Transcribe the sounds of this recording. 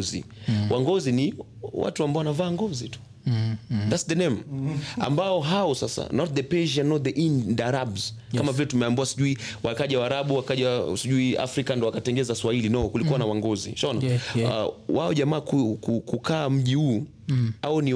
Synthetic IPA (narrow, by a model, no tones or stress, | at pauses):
zḭwʔaŋɡɔzini | wa̰tuambaɔwanavaːŋɡɔzitu̥ | ðatsðɛnɛma̰mbaɔɦaɔsasa̰nɔt̚ðɛpɛʒianːɔt̚ðɛʔindaɾabz̥kamavilɛtumɛambuwasiʄuiwakaʄawaɾaɓuwakaʄasiʄuia̰fɾikandɔwakatɛŋɡɛzaswahilinɔkulikuanawaŋɡɔzḭʃɔna | waɔʄamaːkukukukʰaːm̩ʄihuː | aɔni